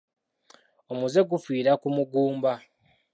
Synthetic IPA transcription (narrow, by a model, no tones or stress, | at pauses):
omuze̞ɡufiːɾakumuɡuːmba